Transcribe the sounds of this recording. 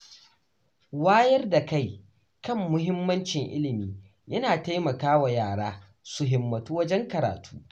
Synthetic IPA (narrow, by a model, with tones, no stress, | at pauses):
waː˦jɐ˦rda˨ka˦˨j | kɐ˦˨mːʊ˦ɦɪ˦mːɐ˦nt͡ʃɪ˨ŋʔɪ̰˦lɪ˨miː˨˦ | jɐ˦naː˨ta˦jmɐ˨kaː˦wa˨jaː˦˨ɽaː˦ | su˨ɦɪ˨mːɐ˨tuː˦wɐ˦d͡ʒɛ˦ŋkɐ˨ɾa̰ː˨tʰu̥ː˦